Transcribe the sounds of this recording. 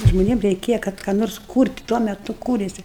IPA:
ʒmoːˈnʲiɛm rʲɛɪˈkʲeːjɛ ˈkɐt kɑː ˈnoːrs ˈkuːrʲtʲ ˈtuɔ mʲɛˈtʊ ˈkuːrʲeːsʲɪ

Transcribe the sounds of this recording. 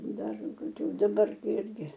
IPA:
ˈdɐr koːˈkʲuː dɐˈbɐr ˈɪrʲɡʲɪ

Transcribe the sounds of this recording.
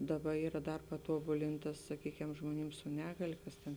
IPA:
ˈdɑːˌbɐ ˈiːrɐ ˈdɐr pɐˈtuɔbʊlʲɪntɐ sɐˈkʲiːkʲɛm ʒmoːˈnʲɪm sʊ ˈnʲæːɡɐlʲeː ˈkɐs tʲeːn

